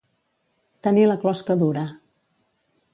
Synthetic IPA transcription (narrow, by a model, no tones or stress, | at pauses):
t̪əniləklɔskəðuɾə